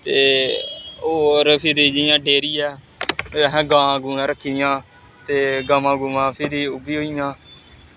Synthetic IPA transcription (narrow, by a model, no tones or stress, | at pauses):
t̪eː | oːɾpʰɪd̪iːd͡ʒijãːɖeːɾiːɛː | ɦãːɡãːɡuːãːɾəkʰːiːjãː | t̪eːɡaːmãːɡuːmãːpʰɪɾiːʊbiːɦoːijãː